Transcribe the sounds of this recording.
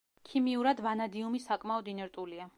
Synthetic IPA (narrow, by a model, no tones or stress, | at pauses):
kʰimiuɾad̪vanad̪iumisakʼmaɔd̪inɛɾt̪ʼulia